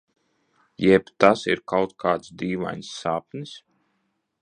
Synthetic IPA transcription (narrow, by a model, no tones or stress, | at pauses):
jɛbt̪asḭɾkawt̪̚kʰaːt̪sd̪iːʋa̰jnsːaːpnis